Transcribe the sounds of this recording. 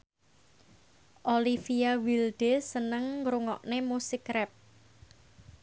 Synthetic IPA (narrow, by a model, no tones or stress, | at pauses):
ʔolifiawild̪̥esənəŋɾuŋɔ̰ʔnemusikɾɛp̚